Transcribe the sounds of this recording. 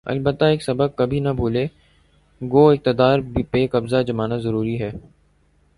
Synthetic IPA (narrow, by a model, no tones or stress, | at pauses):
ɐ̰lbət̪ːaeːksɐbəkːɐbʱiːnɐbʱuːleː | ɡoːɪk̚t̪əd̪aːɾbipeːkɐbzad͡ʒəmaːnazəɾuːɾiɦɛː